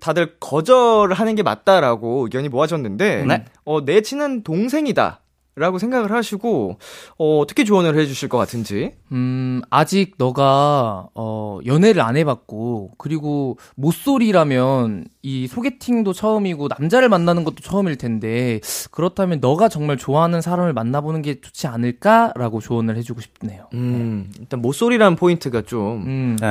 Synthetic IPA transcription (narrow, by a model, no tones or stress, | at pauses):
tadɯɭkʌd͡ʑʌɾɯɭɦanɯnɡe̞ma̰t̚t͈aɾaɡokjʌɲimoɦaɕʰʌnːɯnde̞ʌne̞t͡ɕʰinɯntoŋsʰe̞ŋida̰ | ɾaɡosʰe̞ŋɡaɡɯɭɦaɕʰiɡoʌtʰɯ̥kʰit͡ɕoʌnɯɭhe̞d͡ʑuɕʰiɭk͈ʌk͈atʰɯnd͡ʑi | ɯad͡ʑiɡ̚nʌɡa | ʌjʌne̞ɾɯɾa̰nɦe̞bak̚k͈okɯɾiɡo | mos͈oɾiɾamjʌnisʰoɡe̞tʰiŋdot͡ɕʰʌɯmiɡonamd͡ʑaɾɯɭmanːanɯnɡʌt͈o̥t͡ɕʰʌɯmiɭtʰe̞nde̞kɯɾʌtʰamjʌnːʌɡat͡ɕʌŋmaɭt͡ɕoaɦanɯnsʰaɾamɯɭmanːabonɯnɡe̞t͡ɕʰo̥t͡ɕʰianɯɭk͈aɾaɡot͡ɕoʌnɯɭhe̞d͡ʑuɡoɕʰi̥p̚ʰne̞joiɭt͈anmos͈oɾiɾanɯnpʰointʰɯɡat͡ɕ͈om